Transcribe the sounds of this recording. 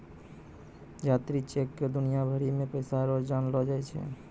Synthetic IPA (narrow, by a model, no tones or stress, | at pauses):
d͡ʒat̪ɾit͡ʃekːed̪unijabʱəɾimẽpəjsaɾod͡ʒd͡ʒanlɔd͡ʒajt͡ʃʰɛ̰